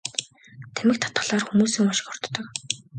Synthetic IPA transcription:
t̪ʰæmɘ̆k̚t̪ʰḁt̪̚ɢə̆ɮaːrxumuːsɵ̆ŋɔʃɪ̥̆xɔrt̪ːɞ̆k

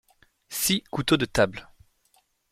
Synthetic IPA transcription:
sikut̪od̪ət̪abl

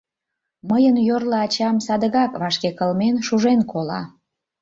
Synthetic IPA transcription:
məjənjorləɑt͡ɕɑmsɑd̪əɣɑkβɑʃkekəlmenʃuʒenkʰolɑ̰

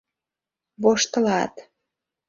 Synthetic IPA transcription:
βoʃt̪ə̆lɑt̪

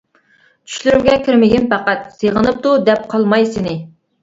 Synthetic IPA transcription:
t͡ʃʰy̥ʃlyɾymɡʲɛkʲʰɪɾmɪɡʲiɪnpæqæt̪̚seʁənɨp̚t̪ud̪ɛp̚qʰɑlˠmɑjsɪnɪ

